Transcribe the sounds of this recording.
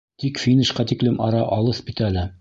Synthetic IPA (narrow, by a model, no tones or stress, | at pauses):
t̪ikfʲinʲɘ̆ʃqɑt̪iklɘmʔɑɾɑʔɑlˠɤspʲit̪ælɘ